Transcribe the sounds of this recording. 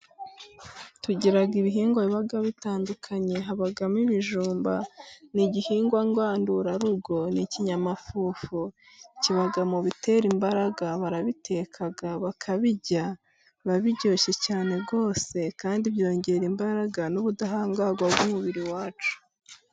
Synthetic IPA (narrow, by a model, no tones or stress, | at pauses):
tuɟiɾaɡiβiɦiːŋɡwaiβaɡaβitaːndukʰaɲe̞ɦaβaɡamiβiʒuːmba̰niɟihiːŋɡwaŋɡwaːnduɾaɾuɡo̞niciɲamafuːfu | ciβaɡamuβite̞ːɾimbaɾaɡaβaɾaβitʰe̞kʰaɡaβakʰaβiɟa | βaβiɟo̞ːʃe̞caːne̞bɡo̞ːse̞kaːndiβjo̞ːɲɟe̞ɾimbaɾaɡanuβudaɦaːŋɡaɡwabɡumuβiɾiwaːt͡ʃu̥